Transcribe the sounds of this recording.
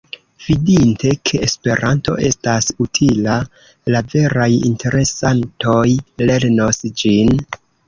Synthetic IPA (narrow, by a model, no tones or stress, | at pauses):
v̥idinte̞kʰe̞ːspe̞ɾʔanto̞̰ʔe̞stasutʰila | lave̞ɾajḭntʰe̞ɾe̞santo̞jle̞ɾno̞sd͡ʒin